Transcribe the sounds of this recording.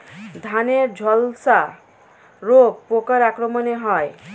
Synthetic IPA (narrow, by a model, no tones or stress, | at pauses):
d̪ʱaned͡ʒʱɔlsa | ɾoɡ̚pokʌɾakɾɔmɔneɦɔj